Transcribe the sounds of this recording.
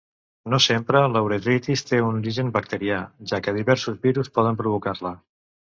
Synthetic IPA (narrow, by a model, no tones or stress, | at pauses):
nosempɾələwɾet̪ɾit̪ist̪eunuɾiʒənbək̚t̪əɾiaʒakəðiβɛɾsuzβiɾuspɔðəmpɾuβ̞ukaɾlə